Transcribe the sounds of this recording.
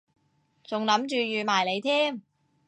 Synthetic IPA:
t͡sʊ˨ŋlɐ˨˥mt͡ʃyː˨˧jyː˨maː˨˩jle˨˧jt̪ʰiː˥m

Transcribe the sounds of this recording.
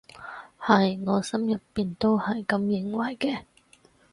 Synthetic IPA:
hɐ˨jŋɔː˨˧sɐ˥mjɐ˨pːiː˨nt̪o˥whɐ˨jkɐ˨˧mjɪ˨˥ŋwɐ˨˩jkɛː˧

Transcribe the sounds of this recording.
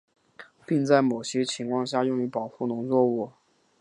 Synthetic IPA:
pi˥˧ŋt͡sa˥˩ɪmo˨˩ʊɕjɛ˥t͡ɕʰi˧˥ŋkʰwɑ˥˧ŋɕ̬ja˥˧jʊ˥˧ŋy˧˥˩pɑ˨˩ʊxu˥˩nʊ˧˥ŋt͡swɔ˥˧u˥˩

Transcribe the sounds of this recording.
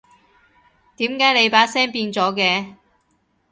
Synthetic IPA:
t̪iː˨˥mkaː˨˥jle˨˧jpaː˨˥sɛː˥ŋpiː˧nt͡sɔː˨˥kɛː˧

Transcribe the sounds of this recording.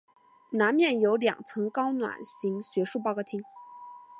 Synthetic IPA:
na˧˥nmjɛ˥˩njo˧˥ʊljɑ̰˨˩ŋt͡sʰɤ˧˥ŋkɑ˥ʊnwa̰˨˩nɕi˧˥ŋɕɥɛ˧˥ʂu˥˩pɑ˥˧kɑ˥˩ʊt̪ʰi˥ŋ

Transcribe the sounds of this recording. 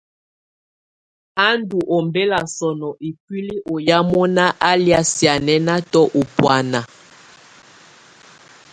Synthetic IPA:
a˦ndu˨ʔɔ˨mbe˦la˨sɔ˨nɔ˨ʔi˨kwi˦li˦ʔo˨ja˦mɔ˦na˦ʔa˦li˦a˦sja˨nɛ˦na˦tɔ˦ʔo˨pwa˨na˨

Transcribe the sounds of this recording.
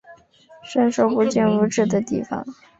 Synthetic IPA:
ʂə˥˧nʂo˥˧ʊpu˧t͡ɕɛ˥˩nu˧˥ʈ͡ʂɻ̩˥˩d̪ə˩t̪i˥˩fɑ̰˨˩ŋ

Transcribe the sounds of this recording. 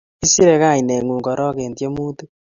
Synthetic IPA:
i˦si˦ɾe˨ɣa˦˨ɲi˨ne˨ŋu˨ŋɡɔ˨ɾɔ˦ɣe˨ntje˦muː˦tu˦

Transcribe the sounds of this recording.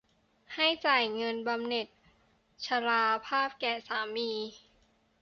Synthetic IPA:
ha˥˩jt͡ɕaː˨˩jŋɤ˧nba˧mne˨˩t̪̚ | t͡ɕʰa˧ɾaː˧pʰaː˥˩p̚kɛː˨˩saː˩˦miː˧

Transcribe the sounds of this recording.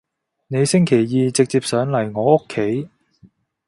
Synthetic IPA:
ne˨˧jsɪ˥ŋkʰe˨˩jjiː˧t͡sɪ˨k̚t͡siː˧p̚sœː˨˧ŋlɐ˨˩jŋɔː˨˧ʊ˥kʰːe˨˥j

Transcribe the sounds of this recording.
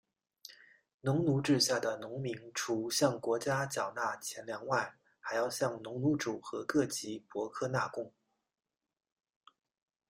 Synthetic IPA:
nʊ˧˥ŋnu˧˥ʈ͡ʂɻ̩˥˧ɕja˥˩d̪ə˩nʊ˧˥ŋmi˧˥ŋʈ͡ʂʰu˧˥ɕjɑ˥˩ŋkwɔ˧˥t͡ɕja˥t͡ɕjɑ˨˩ʊna˥˩t͡ɕʰjɛ˧˥nljɑ˧˥ŋwa˥˩n | xa˧˥ɪjɑ˥˧ʊɕjɑ˥˩ŋnʊ˧˥ŋnu˧˥ʈ͡ʂu˨˩xɤ˧˥kɤ˥˩t͡ɕi˧˥pwɔ˧˥kʰɤ˥˧na˥˧kʊ˥ŋ

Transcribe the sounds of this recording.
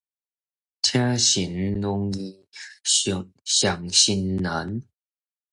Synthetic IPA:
tʰja˦ɕi˨˦nnʊ˦ŋi˧ | ɕja˨˩ŋɕi˧nːa˨˦n

